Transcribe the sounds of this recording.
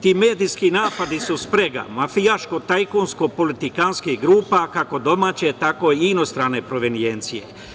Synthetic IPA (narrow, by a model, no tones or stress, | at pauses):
t̪iːmeːd̪ijskinaːpad̪isuspɾeɡa̰mafijaʃkot̪ajkonskopo̞lit̪ikanskihɡɾuːpakako̞d̪o̞maːt͡ɕet̪ako̞ino̞st̪ɾane̞pɾo̞ʋenijent̪sije̞̰